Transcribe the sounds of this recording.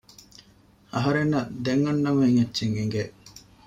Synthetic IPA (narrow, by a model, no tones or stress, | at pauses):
ɐɦɐɾenːɐd̪eŋːɐnːɐmɐeŋɐtːʃeŋeŋɡe